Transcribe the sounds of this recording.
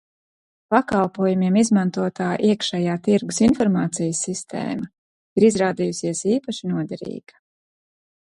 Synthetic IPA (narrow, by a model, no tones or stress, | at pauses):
pakalˠpuɔjumiɛmizmant̪uɔt̪aːʔiɛkʃɛjaːt̪iɾɡusinfɔɾmaːt̪sijəsːist̪ʰḛːma | iɾizɾaːd̪ijusiɛsiːpaʃinuɔd̪ɛɾḭːɡ̥ḁ